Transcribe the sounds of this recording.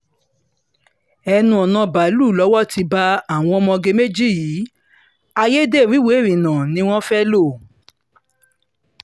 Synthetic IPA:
ɛ˧nũ˧ɔ˨nã˧ba˨˦lu˦˨lɔ˨˦wɔ˦ti˧ba˧a˦˨w̃ɔ̃˧˦ɔ˧mɔ̃˧ɡe˧me˦d͡ʒi˦˨jiː˨˦ | a˧je˦de˦˨ɾi˨˦we˨˦˨ɾĩ˨nã˨nĩ˨˦w̃ɔ̃˦fɛ˦lo˦˨

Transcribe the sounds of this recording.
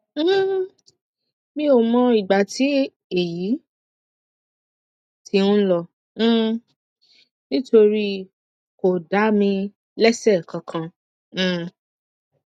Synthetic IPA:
mĩ˧˦o˨mɔ̃˧i˨ɡ͡ba˨ti˨˦ | e˨ji˨˦ | tʰi˧ũ˦lɔ̃˧˦˨ | nĩ˦to˧ɾi˦ | ko˨da˨˦mĩ˧ | lɛ˦sɛ˦˨kã˨˧kʰã˧˨

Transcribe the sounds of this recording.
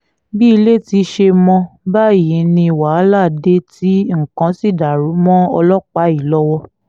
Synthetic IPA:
bi˦i˧le˦˨ti˧ʃe˧mɔ̃˧ba˦˨ji˨˦nĩ˧˨wa˨˦la˦˨de˦ti˦ŋ̩˨kã˨˦si˦˨da˨ɾu˨˦mɔ̃˦ɔ˧lɔ˦k͡pa˨˦i˦˨lɔ˦wɔ˧

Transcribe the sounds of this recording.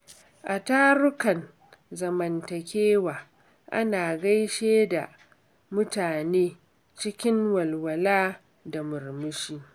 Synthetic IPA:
ʔa˨taː˦ɾʊ˦kɐ˨n | zɐ˨mɐ˨ntɐ˨kʲeː˦waː˨ | ʔa̰˦naː˨ɡɐ˦jʃeː˦da̰˨ | mʊ˦taː˨neː˦ | t͡ʃɪ˦kʲɪ˦ŋwɐ˨lwɐ˨laː˦ | da˨mʊ˨rmʊ˦ʃiː˦

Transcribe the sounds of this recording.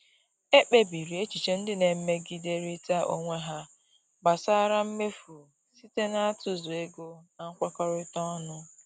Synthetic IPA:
e˦k͡pe˦bi˨ɾi˨e˦t͡ʃi˨t͡ʃe˨n̩˦dɪ˦ne˨m̩˦me˦ɡi˦de˦ɾi˦ta˦ʔo̰˦ŋʷe˦ɦa˦ | ba˨sa˦ɾa˦m̩˦me˦fu˨ | si˦te˦na˦a˦tʊ˦zʊ˨e˦ɡo˦na˦ŋ̩˦kʷa˦kɔ˦ɾɪ˦tɔ˦nʊ˦

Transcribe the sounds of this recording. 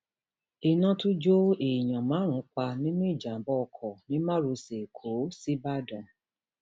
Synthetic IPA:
e˨nã˧tu˦d͡ʒo˦e˨j̃ã˨mã˨˦ɾ̃ũ˨˧˦k͡pa˧nĩ˦nũ˦i˦˨d͡ʒa˨˦bɔ˦ɔ˧kʰɔ˨nĩ˨˦mã˦ɾo˧se˨kʰo˨˦si˦ba˦˨dɔ̃˨

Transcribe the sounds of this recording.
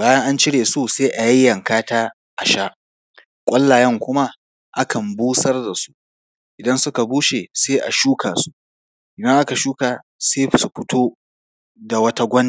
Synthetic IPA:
baː˦jɐ˦ŋʔa˦nt͡ʃɪ˦ɽeː˨su˦seː˦ʔa˨ji˦jːɐ˨ŋkaː˦taː˦ | ʔa˨ʃaː˦ | kʷʼɐ˦lːaː˨jɐ˦ŋkʷʊ˦ma˦ | ʔa˦kʰɐ˨mbuː˦sɐ˦rda˨su̥˦ | ʔɪ˨dɐ˦nsʊ˦ka˨buː˦ʃeː˨seː˦ʔa̰˨ʃuː˦kaː˨su̥˦ | ʔɪ˨dɐ˦ŋʔa˦ka˨ʃuː˦kaː˨ | seː˦˨su˨ɸʊ˦tʰoː˦ | da˨wɐ˦ta˦ɡʷɐ˦n˨

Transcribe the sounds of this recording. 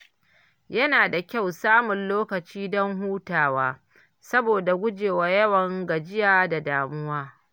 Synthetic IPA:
jɐ˦naː˨da˨kʲa˦˨wsaː˦mʊ˨nloː˦kɐ˨t͡ʃiː˦dɔ˦ŋɦuː˦taː˨waː˦ | sɐ˦boː˨da˨ɡʷʊ˦d͡ʒeː˨wa˨jɐ˦wɐ˨ŋɡɐ˨d͡ʒɪ˦jaː˦da˨daː˨mʊ˦waː˦

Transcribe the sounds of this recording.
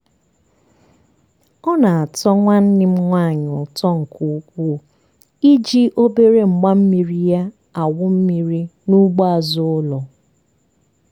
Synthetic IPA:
ɔ˦na˨a˨tɔ˦ŋʷa˦n̩˦nɪ˦m̩˦ŋʷa˦˨ɲʊ˨tɔ˦ŋ̩˨ku˨u˦kʷu˦˨ | i˦d͡ʒi˦ʔo˦be˦ɾe˦ŋ͡m̩˨ɡ͡ba˦m̩˦mi˨ɾi˦ja˦ | a˨wʊ˦m̩˦mi˨ɾi˦nu˦ɡ͡ba˦a˨zʊ˦ʊ˦lɔ˨

